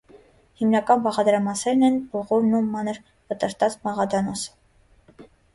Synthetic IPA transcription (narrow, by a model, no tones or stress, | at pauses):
himnɑkɑnbɑʁɑd̪ɾɑmɑsɛɾnɛnbɔʁɔvnumɑnəɾ | vət̪əɾt̪ɑt͡smɑʁɑd̪ɑnɔsə̥